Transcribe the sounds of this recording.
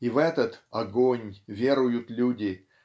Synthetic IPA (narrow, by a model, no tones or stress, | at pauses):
ivɛt̪ət̪ɐɡonʲvʲe̞ɾʊjʊt̪lʲudʲɪ